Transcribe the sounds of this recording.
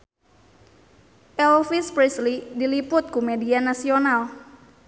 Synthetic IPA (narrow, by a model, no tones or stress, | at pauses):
ʔɛlfispɾislidilipʊt̪̚kumedianasional